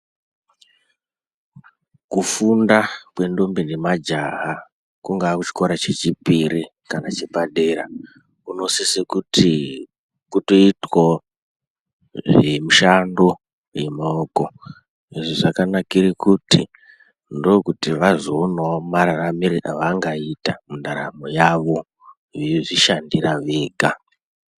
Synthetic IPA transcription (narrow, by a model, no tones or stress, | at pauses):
kufundakwe̞ndo̞mbindemad͡ʒaɦa | kuŋɡaːkut͡ʃi̥koɾat͡ʃe̞t͡ʃipiɾi | kanat͡ʃepaɗeɾa̰ | kuno̞sisekuti | kuto̞itwo | ʐemuʃando | jemoko | iʐoʐakanakiɾikuti | ndokutiʋazonomaɾaramiɾira̰ʋaŋɡaitamundaɾamojaʋo | ʐiʃandiɾaʋeːɡʱa